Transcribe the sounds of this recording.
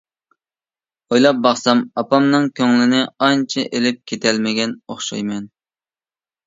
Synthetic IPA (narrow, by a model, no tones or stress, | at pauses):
ojlˠɑp̚bɑχsɑmɑpɑmnɨŋkʲʰøŋlɪnɪɑnt͡ʃʰɛʔelɪp̚kʲʰet̪ʰɛlmɪɡʲɛnoχʃɑjmɛn